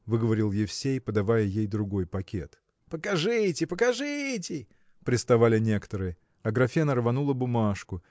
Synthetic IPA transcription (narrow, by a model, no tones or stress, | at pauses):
vɨɡəvɐɾʲɪlˠjɪfsʲejpəd̪ɐvajəjejd̪ɾʊɡo̞jpɐkʲʰe̞t̪ | pəkɐʐɨtʲɪpəkɐʐɨtʲɪ | pɾʲɪst̪ɐvalʲɪnʲe̞kə̥t̪əɾɨjə | ɐɡɾɐfʲenəɾvɐnulˠəbʊmaʂkʊ